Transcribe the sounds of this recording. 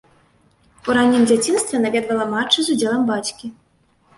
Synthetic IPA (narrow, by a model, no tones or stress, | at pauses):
uɾanʲːimd͡zʲat͡sʲinst̪vʲɛnavʲɛd̪vɐlˠɐmat͡ʂːɨzud͡zʲɛlˠɐmbat͡sʲkʲi